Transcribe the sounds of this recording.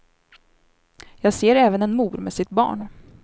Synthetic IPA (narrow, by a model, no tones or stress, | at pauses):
jɑːɡseːɾɛːvənɛnmuːɾmesɪt̪̚bɑ̰ːɳ